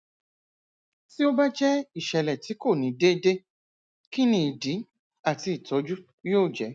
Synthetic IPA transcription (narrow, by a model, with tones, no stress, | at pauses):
si˦o˦ba˦d͡ʒɛ˦i˦˨ʃɛ˨lɛ˨ti˨˦ko˦˨nĩ˨˦de˦de˦ | ki˦nĩ˧˦i˨di˨˦ | a˦˨ti˧i˨tʰɔ˨˦d͡ʒu˦ | joː˦˨d͡ʒɛ˨˦